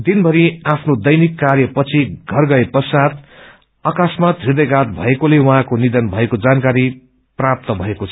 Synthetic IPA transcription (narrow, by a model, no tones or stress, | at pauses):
d̪inbʱʌɾiapʰnod̪ʌjnikːarjʌpʌt͡sʰiɡʱʌrɡʌepʌrsat̪ | ʌkasmat̪rid̪ʌjɡat̪̚bʱʌ̰ekolewuɦãkonid̪ʌnbʱʌekod͡zankaɾi | prap̚t̪ʌbʱʌekot͡sʰʌ